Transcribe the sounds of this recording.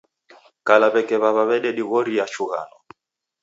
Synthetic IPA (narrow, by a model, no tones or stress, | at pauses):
kalaβɛkɛβaβaβɛɗɛɗiɣɔɾiat͡ʃuɣa̰nɔ